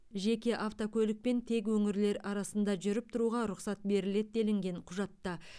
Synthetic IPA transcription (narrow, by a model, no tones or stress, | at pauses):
ʒe̞kʲe̞ʔaft̪o̞kʲʰɵlɪk̚pe̞nt̪ʰe̞k̬wɵŋɪɾle̞ɾɑɾɑsənd̪ɑʒʏɾɪp̚t̪ʰʊɾuʁɑɾʊqsɑt̪̚be̞ɾɪle̞d̪̚d̪e̞lɪŋɡʲe̞ɴqʰʊʒɑt̪ːɑ